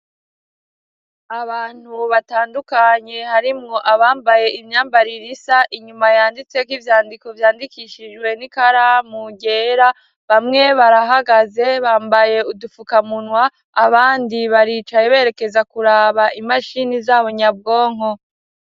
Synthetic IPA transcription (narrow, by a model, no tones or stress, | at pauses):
aβaːn̥huβataːndukaɲe̞haɾimŋo̞ʔaβaːmbaje̞ʔimɲaːmbaɾiɾisaʔiɲumajaːndit͡se̞kwivjaːndiko̞vjaːndikiʃid͡ʒɡwe̞nikaɾamuɟe̞ːɾa | βamŋe̞βaɾaɦaɡaze̞βaːmbaje̞udufukamunwaː | βaːndiβaɾit͡ʃajeβe̞ɾe̞ke̞zakuɾaβaʔimaʃinizaːβo̞ɲab̚ɡo̞ːŋ̥ho̞